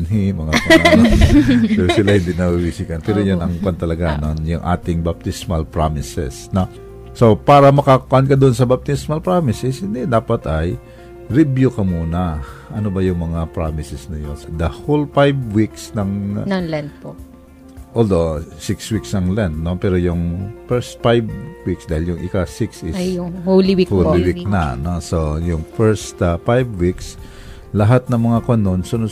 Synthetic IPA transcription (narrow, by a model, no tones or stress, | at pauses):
nɦimɐŋa | ɛɾsɪlahɪnd̪inɐuwisikɐnpɛːɾojonʔɐŋpɐnt̪ɐlɐɡanonjʊŋʔa̰ːt̪ɪŋbap̚t̪ɪsmɐlpɹamɪsɛ̰sno | so̞paːɾɐmɐkakʊkʔɐnkɐd̪oʔonsɐbɐb̚t̪ɪsmɐlpɹaːmɪsɛshɪnd̪ɛd̪aːpɐt̪ɐj | ɾibjʊkɐmuːnɐʔɐnobɐjʊŋmɐŋapɹamɪsɛsnɐjonsd̪ɐholfajbwiksnɐŋnɐŋlɛnt̪̚po | ʔold̪osɪkswiksnɐŋlɛnt̪̚no̞pɛːɾojʊŋfɛst̪̚fajbwiksd̪aːhɪljʊŋʔɪkasɪksɪʊŋholiwikholɪwiknɐnosojʊŋfɛɹst̪fajbwiks | lɐɦat̪̚nɐŋmɐŋakwɐnonsono